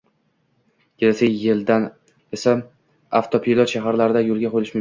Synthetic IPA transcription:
kʲelasʰajɪld̪an | esa | aft̪ʰopʰilˠɒt̪ʃaɦaɾlaɾɪd̪ajolˠɡʲaqʰolɪʃmʊ

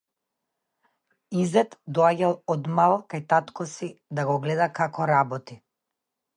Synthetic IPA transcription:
izɛt̪d̪ɔaɟalˠɔd̪malˠkajt̪at̪kɔsid̪aɡɔɡlɛd̪akakɔɾabɔt̪i

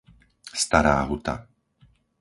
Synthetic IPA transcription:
st̪aɾa̰ːɦut̪a̰

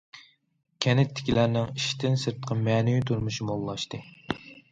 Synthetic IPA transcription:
kʲʰɛnɪt̪ʰːɪ̥kʲʰilæɾnɪŋiʃt̪ɪnsɨɾt̪qʰɑmɛnujyt̪ʰuɾmuʃimolˠːɑʃt̪ɨ

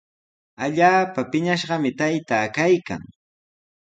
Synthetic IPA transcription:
aʎaːpapɪɲaʃɢɑmɪt̪ajt̪aːkajka̰ŋ

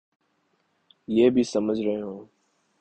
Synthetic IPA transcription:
jeːbʱiːsəməd͡ʒʱɾəɦeːɦõː

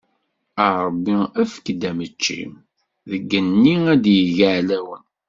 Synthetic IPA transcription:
əɾˤəbːiæfə̥kd̪æmət͡ʃːḭm | ðəɡːənːiæd̪jəʝəʕlæwən

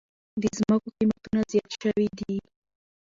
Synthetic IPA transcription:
d̪əzmakoqimat̪unazjɑt̪ʃawid̪i

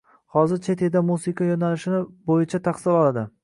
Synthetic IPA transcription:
hɒzɪɾt͡ʃʰet̪ʰed̪amusɪqʰajonalɪʃɪnɪbojɪt͡ʃʰat̪ʰaqsɪlɒlˠad̪ɪ

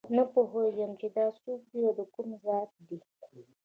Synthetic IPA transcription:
napoɦojəmt͡ʃed̪ɑsuk̚d̪iawd̪əkumzɑt̪̚d̪i

